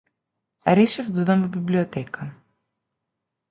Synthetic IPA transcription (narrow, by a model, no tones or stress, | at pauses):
ɐɾisevðuðɐmmebibliot̪ekɐ